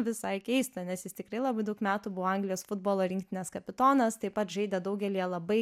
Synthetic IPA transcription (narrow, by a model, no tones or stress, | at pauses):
ʋʲɪsɐɪkʲɛɪst̪ɐnʲɛsjɪst̪ʲɪkrɐɪlˠɑbɐɪd̪ɐʊkmʲæːt̪uːbʊʋoːɐŋɡlʲɪjoːsfʊd̪̚boːlˠoːɾʲɪŋk̚ʲt̪ʲɪnʲɛːskɐpʲɪt̪oːnɐst̪ɐɪpɐt̪ʒɐɪd̪ʲɛd̪ɐʊɡʲɛlʲijɛlˠɐbɐɪ